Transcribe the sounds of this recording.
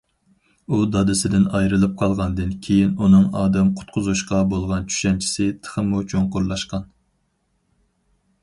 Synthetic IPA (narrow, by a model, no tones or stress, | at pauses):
ud̪ɑd̪ɪsɪd̪ɪnɑjɾɨlˠɨp̚qʰɑlˠʁɑnd̪ɨnkʲʰejinunɨŋɑːd̪ɛmqʰʊ̥t̪̚qʰʊzuʃqɑbolˠʁɑnt͡ʃʰy̥ʃɛnt͡ʃʰi̥sɪt̪ʰə̥χəmut͡ʃʰoŋqʊɾlˠɑʃqɑn